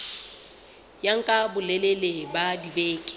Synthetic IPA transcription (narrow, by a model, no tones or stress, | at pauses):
jaŋ̩kʼabʊlɛlelebadibeːkʼɪ̥